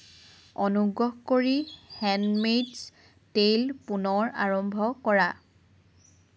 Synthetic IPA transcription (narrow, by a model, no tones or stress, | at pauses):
onuɡɹɔɦkoɹihɛnmeds | tejlpunɔɹa̰ɹɔmbʱɔkɔɹa